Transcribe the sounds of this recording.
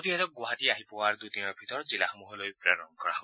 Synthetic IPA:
ot̪iɦɛt̪ɔk̚ɡwaɦat̪iaɦipɔwaɾd̪ut̪inɔbʱit̪ɔɾɔd͡ʒilaxɔmuɦɔlojpɾaɾɔŋkɔɾabɔ

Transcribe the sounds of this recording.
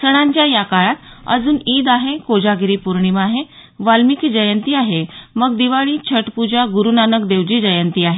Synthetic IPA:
səɽ̃ãɲt͡ɕjajakaɭat̪ə̰d͡zuːniːd̪aɦekod͡ʑaɡiɾiːpuɾɳimaɦe | ʋalmikid͡ʑəjənt̪iːaɦeməɡd̪iʋaɭiːt͡ɕʰəʈpud͡ʑaɡuɾunanək̚d̪eʋd͡ʑiːd͡ʑəjənt̪iːaɦe

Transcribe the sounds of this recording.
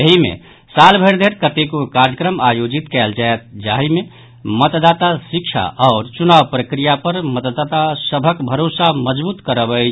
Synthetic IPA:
jəɦimḛ | salbʱəɪɾd̪ʱeɾkət̪ekokaɾjəkɾəmajod͡ʒit̪kɛld͡ʒaet̪̚d͡ʒaɦime | mət̪d̪at̪asikt͡ʃʰa̰ʔɔːɾt͡ʃunaʋpɾəkɾijapəɾmət̪d̪at̪asəbʱəkbʱəɾosaməd͡ʒbuːt̪kəɾəbə

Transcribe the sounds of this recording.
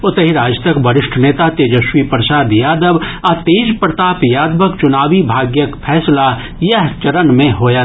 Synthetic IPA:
ʊt̪əɦiɾaːd͡ʒt̪ɐkbɐɾɪʃʈʰneːt̪at̪eːd͡ʒəʃwipɾəsaːd̪jaːd̪əʋat̪eːd͡ʒpɾət̪aːpjaːd̪məkt͡ʃʊnaːʋibʱaːɡjəkpʰɛːsla | jɐɦt͡ʃɐɾənmẽɦoːja

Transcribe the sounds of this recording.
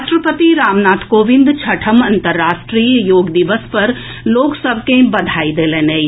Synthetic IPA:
ʃʈɾəpət̪iɾaːmnaːt̪ʰkoʋĩnd̪t͡ʃʰəʈʰəmɐnt̪əɾːasʈɾijəjoːɡd̪iʋəspəɾ | loksəbʱkẽbəd̪ʱaid̪elenej

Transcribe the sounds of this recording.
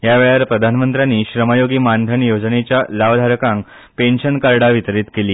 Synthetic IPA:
jaʋeɭaɾpɾəd̪ʱanmənt̪ɾjanːiːɕɾəməjoɡiːmand̪ʱəɳjod͡znet͡ɕjalaʋd̪ʱaɾkãŋk | penɕənkaɾɽaʋit̪ɾiːt̪keliː

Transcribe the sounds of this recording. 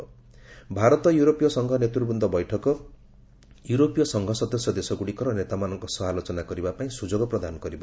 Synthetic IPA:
bʱaɾʌt̪ʌjuɾopijʌsʌŋɡʱʌnet̪rurbund̪ʱʌbʌjʈʰʌkʌ | juɾopijʌsʌŋɡʱʌsʌd̪ʌsjʌd̪esʌɡuɽikʌɾʌnet̪amanʌŋkosʌɦalot͡sʌnaɡʌɾibapaĩsud͡zoɡʌprʌd̪ʱanɡʌɾibʌ

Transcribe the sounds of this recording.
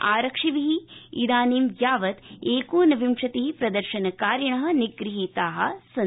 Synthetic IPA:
aːɾɐkʂiʋiɦiḭd̪aːniːmjaːʋɐt̪eːkuːnɐʋʱimʂɐt̪iɦipɾɐd̪ɐɾʃɐnɐkaːɾjɐɳɐɦɐ̆niɡɾiɦit̪aːɦɐ̆sɐ

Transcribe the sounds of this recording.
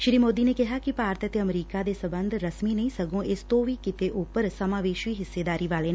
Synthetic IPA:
ʃɪɾiːmoːd̪inekɛɦakipaːɾt̪ʰət̪eɐmɾiːkad̪esɐbə̃nd̪ʱɾɐsminɐĩsɐɡõʔɪst̪oʋiːkɪt̪eʔupəɾsɐmaːʋeːʃiːɦɪsːed̪aːɾiʋaːlenã

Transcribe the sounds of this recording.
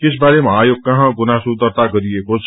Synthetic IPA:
kɪsbaːɾemaːjʊk̚kːɐɦãɡʊnasʊd̪əɾt̪akɐɾiekʊt͡ʃ

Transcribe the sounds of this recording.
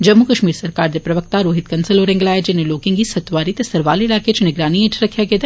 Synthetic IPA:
d͡ʒɐmːukɐʃmiːɾsɐɾkaːɾd̪epɾɐʋək̚t̪aɾoːɦɪt̪̚kɐnsəloːɾɛ̃ŋɡlaːjed͡ʒɪneloːkɪ̃ŋɡisɐt̪ʋaːɾit̪esɐɾʋaːlɪlaːket͡ʃnɪɡɾaːniẽːʈʰɾɐkʰjaɡeːd̪a

